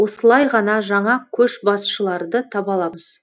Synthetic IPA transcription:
wosəlˠɑjʁɑnɑʒɑɴɑkʲʰɵʃbɑsʃəlˠɑɾd̪ət̪ʰɑpɑlˠɑməz̥

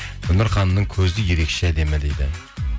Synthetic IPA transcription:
ʊnɪɾχɑnnɨŋkʲʰɵzɪjeɾekʲʃɪæd̪e̞mɪd̪ejd̪ɪ

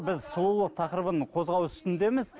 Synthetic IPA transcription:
bɪzsʊlˠulˠəq̚t̪ʰɑqəɾəbənqʰo̞zʁɑwʏst̪ɪnd̪e̞mɪz̥

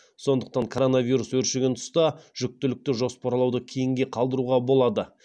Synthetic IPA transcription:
so̞nd̪əq̚t̪ɑŋkʰo̞ɾo̞naviɾuswɵɾʃeɡʲe̞nt̪ʰʊ̥st̪ɑʒ̥ʏk̚t̪ɪlɪk̚t̪ɪʒo̞spɑɾlˠɑwd̪əkʲʰe̞jɪŋɡʲe̞qʰɑlˠd̪əɾuʁɑbo̞lˠɑd̪ə

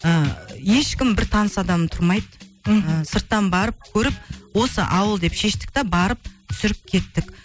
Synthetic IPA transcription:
əje̞ʃkʲɪmbɪɾt̪ʰɑnəsɑd̪ɑmt̪ʰʊɾmɑjd̪əəsəɾt̪ːɑnbɑɾəp̚kʲʰɵɾɪp̚wo̞sə̰ʔɑwəlˠd̪e̞pʃe̞ʃt̪ɪ̥k̚ʲt̪ebɑɾəp̚t̪ʰʏ̥sɪɾɪp̚kʲʰe̞t̪ːɪkʲ

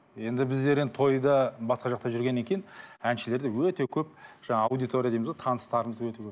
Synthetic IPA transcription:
je̞nd̪ɪbɪzd̪e̞ɾed̪ɪt̪ʰo̞jd̪əbɑsqɑʒɑq̚t̪ɑʒʏɾɡʲe̞nːe̞ŋkʲʰe̞jɪnænʃɪle̞ɾd̪ɪwɵt̪e̞kʲʰɵp̚ʒ̥ɑɴɑːwd̪ijt̪o̞ɾʲijad̪ejmzot̪ʰɑnəst̪ɑɾəməzd̪wɵt̪e̞kʲʰɵ

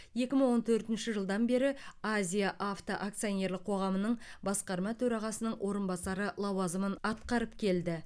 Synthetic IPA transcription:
je̞kʲɪməɴŋwo̞nt̪ʰɵɾt̪ɪnʃɪʒəlˠd̪ɑnbe̞ɾɪazʲijaʔaft̪oʔak̚t̪sijonʲe̞ɾlɪq̚ʰo̞ʁɑmənəɴbɑsqɑɾmɑt̪ʰɵɾɑʁɑsənəɴwʔo̞ɾənbɑsɑɾəlˠɑwɑzəmənɑt̪qɑɾəpkʲʰe̞ld̪ɪ

